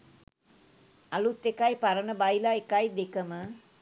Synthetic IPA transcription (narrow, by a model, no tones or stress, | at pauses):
alut̪ːekajpaɾənəbajlaekajd̪ekəmə